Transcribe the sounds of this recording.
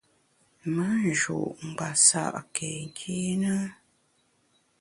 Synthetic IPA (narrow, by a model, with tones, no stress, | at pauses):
mə˦n˨ʒo̰˨ʔm̩˨ba˨sa̰˦˨ʔke˨ŋ̩˨kʰi˦nə˦